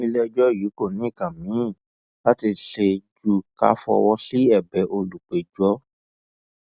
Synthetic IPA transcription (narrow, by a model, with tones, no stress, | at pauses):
ĩ˧lɛ˦˧d͡ʒɔ˦˨ji˨˦ko˦˨nĩ˨˦i˦˨kã˨mĩ˨˦˨ | la˦ti˧ʃe˧d͡ʒu˦ka̰˦fɔ̰˧wɔ˦si˦ɛ˦˨bɛ˨˦ʔo˧lu˨k͡pe˨d͡ʒɔ˦